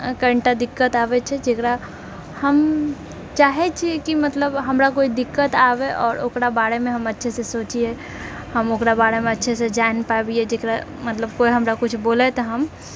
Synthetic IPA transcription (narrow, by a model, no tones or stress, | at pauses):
kəɾɳʈad̪ikːət̪abɛt͡ʃʰɛd͡ʒekɾa | həm | t͡ʃaɦɛt͡ʃʰiɛkimət̪ləbɦəmɾakoid̪ikːət̪abɛʔɔːɾo̰kɾabaɽemẽɦəmətːʃʰesẽsot͡ʃie | həmokɾabaɽemẽətːʃʰesẽd͡ʒaenpabied͡ʒekɾamət̪ləbkoiɦəmɾakut͡ʃʰbolɛt̪ɔɦəm